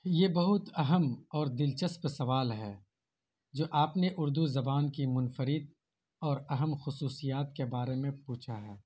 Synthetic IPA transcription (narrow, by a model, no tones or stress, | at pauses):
jeːbɐɦʊt̪ɐɦəmɔːɾd̪ɪlt͡ʃəspsɐʋaːlɦɛː | d͡ʒoːʔaːpneʔʊɾd̪uzɐbaːnkimʊnfəɾɪd̪̚ | ɔːɾɐɦəmxʊsuːsijaːt̪kebaːɾemẽpuːt͡ʃʰaɦɛː